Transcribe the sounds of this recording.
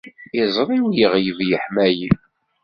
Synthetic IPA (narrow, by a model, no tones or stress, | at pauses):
ɪzˤɾˤiwjəʁjəvjəħmæjə